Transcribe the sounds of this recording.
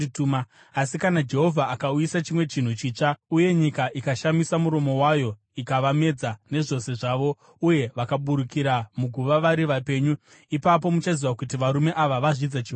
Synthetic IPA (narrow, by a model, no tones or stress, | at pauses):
tuma | asikanad͡ʒe̞ɦo̞vʱaːkaujisat͡ʃimwe̞t͡ʃin̤ut͡ʃiːt͡ʂauje̞ɲikaʔikaʃamisamuɾo̞mo̞wajo̞ | ikaʋame̞d͡zane̞ʐo̞se̞ʐaːʋo̞ | uje̞ʋakaɓuɾukiɾamuɡʱuʋaʋaɾiʋape̞ːɲu | ipap̬o̞mut͡ʃaziwakutiʋaɾume̞ʔaʋaʋaʐid͡zat͡ʃiɦo